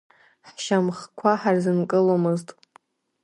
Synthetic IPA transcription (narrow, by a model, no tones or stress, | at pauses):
ħʃamχkʷʰaħarzɨnkʼɨlomɨztʼ